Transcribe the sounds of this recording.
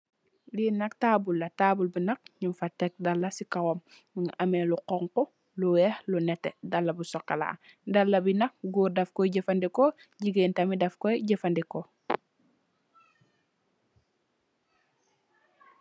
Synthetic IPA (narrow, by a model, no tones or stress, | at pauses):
linɐk̚taːbulːɐtaːbulbinɐk̚ɲimfatek̚dɐlːɐsikawɔm | ŋɐmeluqɔŋkɔ | luwɛhlunɛtɛdɐlːɐbusɔkːala̰ | dɐlːɐbinɐk̚ɡuːɾdɐfkɔjɟefɐndiko | ɟiɡentɐmidɐfkɔjɟefandiko